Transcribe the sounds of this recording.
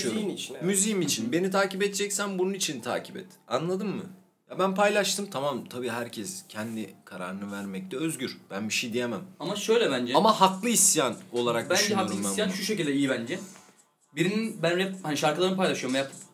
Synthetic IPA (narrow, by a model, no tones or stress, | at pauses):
init͡ʃ̪ʰmyzijimit͡ʃʰinbe̞nit̪ʰaːcipɛt̪̚d͡ʒɛcsænbununit͡ʃʰint̪ʰa̰ːcʰi̥pɛ̰t̪anlˠad̪ɯmːɯ̰ | jabænpʰajlˠaʃt̪ʰɯmt̪ʰamamt̪ʰabiːɦæɾcʰɛscʰɛnd̪ikʰaɾa̰ɾɯnɯvæɾmɛc̚t̪ʰɛøzɟyɾb̥ænbiʃejd̪ijemæmamaʃøjlʲɛbænd͡ʒɛamahaklˠɯisjano̞lˠaɾak̚bænd͡ʒɛhaklˠmajanʃuʃecilʲd̪ɛijibænd͡ʒɛ | biɾininbænɾɛphaniʃaɾkɯlˠaɾɯnɯpʰajlˠaʃɯjoɾmjap̚ɯ